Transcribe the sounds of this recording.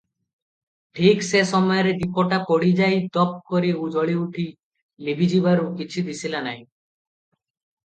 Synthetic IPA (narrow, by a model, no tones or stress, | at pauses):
ʈʰiksesɔmɔjɔɾed̪ipɔʈapoɽid͡ʒajt̪ɔp̚koɾiud͡ʒɔɭiuʈʰi | libʱid͡ʒibaɾukit͡ʃʰid̪isilanaĩ